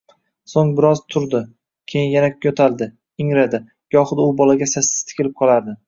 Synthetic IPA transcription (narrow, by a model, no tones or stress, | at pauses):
soŋbɪɾɒzt̪ʰʊɾd̪ɪ | kʲʰejɪnjanakʰot̪ʰald̪ɪ | ɪŋɾad̪ɪ | jɒχʊd̪ʊbɒlaɡʲasasːɪ̥z̥t̪ʰɪ̥kʲʰɪlɪp̚qʰɒlˠaɾd̪ɪ